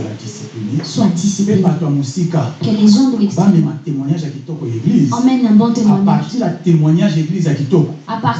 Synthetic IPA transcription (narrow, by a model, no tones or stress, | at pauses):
la̰disi̥plinesɔ̃tispebatojamosikaklezɔ̃dbamɛmatemwaɲaʒjakitɔkɔjaeɡlizmɛnãbɔ̃temaapaʁtijatemwaɲaʒeɡlizjakitɔkɔ̥apa